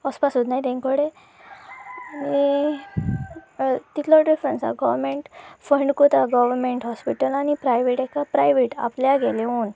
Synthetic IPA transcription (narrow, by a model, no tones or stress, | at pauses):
əspasot̪najt̪ẽŋkəɽe | ani | t̪it̪lɔɖifɾənsa̰ɡɔʋəɾmeɳʈfəɳɖkot̪aɡɔʋəɾmeɳʈɦɔspiʈəlañipɾajʋeʈɛkapɾajʋeʈa̰pljaɡɛleuːn